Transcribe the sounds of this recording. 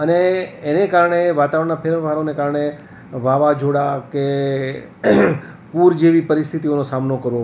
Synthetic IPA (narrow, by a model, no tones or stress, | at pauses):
əneːnekaɾɳeʋat̪aʋəɾɳnapʰeɾʋaɾonekaɾɳe | ʋaʋad͡ʒoɽake | puɾd͡ʒeʋipəɾɪst̪ʰit̪ionosamnokəɾʋo